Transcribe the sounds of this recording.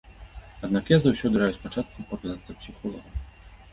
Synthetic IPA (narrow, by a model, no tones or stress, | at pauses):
ad̪nakjazawsʲɔd̪ɨɾajuspat͡ʂat̪̚kupɔklʲant̪sɐpsʲixɔlˠɔvɐ